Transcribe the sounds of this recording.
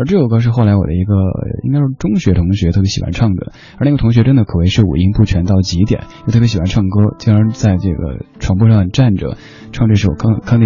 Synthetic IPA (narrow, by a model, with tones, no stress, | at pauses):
ə˞˧˥ʈ͡ʂɤ˥˩jo˨˩kɤ˥ʂɻ̩˥˧xo˥˩ʊla˧˥ɪwɔ̰˨˩d̪ə˦i˧˥ɡə̰˧ḭ˥ŋkɪʂʂʈ͡ʂʊ˥ŋɕɥɛ˧˥t̪ʰʊ˧˥ŋɕɥɛ˧˥t̪ʰɤ˥˩pjɕi˨˩wa̰˧˥nʈ͡ʂʰɑ˥˩ŋd̪ə̰˩ | ə˧˥n˥˧˩ɡə˩t̪ʰŋɕɥɛ˧˥ʈ͡ʂə˥nd̪ə˨˩kʰɤ˨˩we˧˥ɪʂɻ̩˥˩ṵ˨˩i˥ŋpu˥˩t͡ɕʰɥɛ˧˥nt̪ɑ˥˩ʊt͡ɕi˧˥t̪̬jɛ̰˨˩˦njjo˥˧t̪ʰɤ˥˩jɕwa˧˥nʈ͡ʂʰɑ˥˩ŋkɤ˥t͡ɕi˧˥ə˧˥t͡sa˥˧ɪʈ͡ʂɤ˥˩ɡə̰˩ʈ͡ʂʰwɑ˧˥ŋpu˥˧ʂɑ˥˧ŋʈ͡ʂa˥˩nʈ͡ʂə̰˩ | ʈ͡ʂʰɑ˥˧ŋ˧ʈ͡ʂʂɻ̩˥˩wɔ̰˨˩˥kʰɑ˥˧ŋt̪j